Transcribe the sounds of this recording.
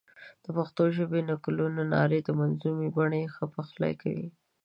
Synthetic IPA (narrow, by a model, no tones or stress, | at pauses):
d̪̥əpaxt̪oʒəbenaklunonɑ̰ɾed̪əmanzumibaɳexəpaxla̰jkawḭ